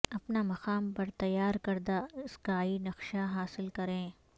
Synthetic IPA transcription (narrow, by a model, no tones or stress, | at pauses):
ɐpnamɐqaːmpɐɾt̪ɐjːaːɾkɐɾd̪aɪskaːinɐqʃaɦaːsɪlkɐɾẽː